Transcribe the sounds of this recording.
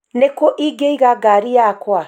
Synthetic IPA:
nekoʔiɡejɡaɡaɾiakoa

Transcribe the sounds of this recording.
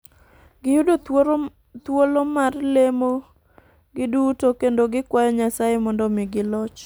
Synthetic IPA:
ɡɪjudo | t̪wolomarlemo | ɡɪdutokendoɡɪkwajɔɲasajemɔndɔmɪɡɪlɔt͡ʃ

